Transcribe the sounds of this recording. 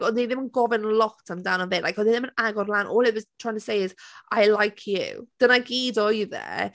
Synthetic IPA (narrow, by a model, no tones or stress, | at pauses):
ɔndeðɪ̃mənɡɔvɪnlˠɔtʰamdawnə̃nvɪlajkɔðɪðɪ̃mə̃naɡɔrlˠanʔɔːlˠɪtwɔz̥tʰɹ̥ajɪ̃ŋtʰəsejɪzajlajkʰjṵd̥ənaɡidɔjəðɛ̰